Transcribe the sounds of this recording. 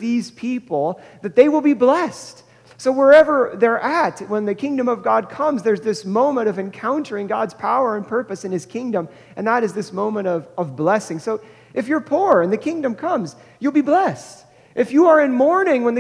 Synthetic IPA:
ðiz̥pʰipl̩ˠðɨt̪̚ðeɪwəlˠbiblɛst | soʊwə˞ɛvə˞ðə˞ʔætwə̃nðɨkʰɪ̃ŋdɨ̃mʌvɡɑd̚kʰʌ̃mzðə˞zðɪsmõʊ̃mə̃ɾ̃ʌvɨ̃nkʰãʊ̃ntə˞ɪ̃ŋɡɑdz̥pʰaʊə˞ɨ̃npʰɜ˞pɨsɨ̃nɨz̥kʰɪ̃ŋdə̃m | ʔɨ̰̃nðəɾɨzðɪsmõʊ̃mə̃ɾ̃ʌvʌvblɛsɪ̃ŋsoʊ | ʔɨfjə˞pʰuɹɨ̃nðɨkʰɪ̃ŋdɨ̃mkʰʌ̃mz | jɨlˠbiblɛst | ʔɨfjɨə˞ɨ̃nmɔɹnɪ̃ŋwə̃nðɨ

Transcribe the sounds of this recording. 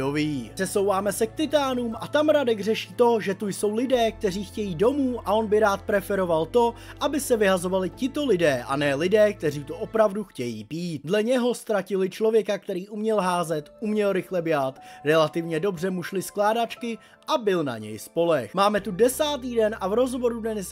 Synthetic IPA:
oviːr̥ɛso̞wvaːmɛsɛk̚t̪ɪt̪aːnuːmʔat̪amɾadɛɡr̝ɛʃiːt̪o̞ʒɛt̪ujso̞wlɪdɛːk̚t̪ɛriːxcɛjiːdo̞muːʔaʔo̞nbɪɾaːt̪̚pɾɛfɛɾo̞valt̪o̞ | ʔabɪsɛvɪɦazo̞valɪcɪt̪o̞lɪdɛːʔa̰nɛːlɪdɛːk̚t̪ɛriːt̪oʔo̞pɾavduxcɛjḭːpiːt̪dlɛɲɛɦo̞st̪ɾacɪlɪt͡ʃlo̞vjɛkak̚t̪ɛɾiːʔumɲɛlɦaːzɛt̪umɲɛlɾɪxlɛbjaːt̪ɾɛlat̪ɪvɲɛdo̞brɛmuʃlɪsklaːdat͡ʃkɪ | ʔabɪlna̰ɲɛ̰jspo̞lɛxmaːmɛt̪udɛsaːt̪iːdɛnʔavɾo̞zɦo̞vo̞ɾudnɛnɪs

